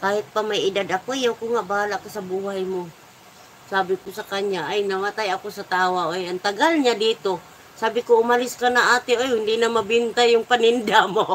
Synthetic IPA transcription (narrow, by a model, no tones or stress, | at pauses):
kaːhɪt̪̚pamajɪd̪ad̪ɐkojawkoŋaʔbaːlakasɐbuːhajmo | saːbɪkosɐkaɲaʔajnɐmat̪ajɐko̞sɐt̪aːwaʔojɐnt̪ɐɡalɲad̪iːt̪o̞ | saːbɪkoʊmalɪskanɐʔaːt̪ɪʔojhʊnd̪ɪnamɐbɪnt̪ajːʊŋpanɪnd̪amo